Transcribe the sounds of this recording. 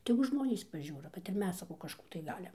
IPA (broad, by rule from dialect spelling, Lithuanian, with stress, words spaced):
ˈtʲæːɡʊ ˈʒmoːnʲiːs pɐˈʒʲuːroː kɐt ɪr ˈmʲɛs sɐˈkɐʊ kɐʃˈkuː tɐɪ ˈɡɑːlʲɪm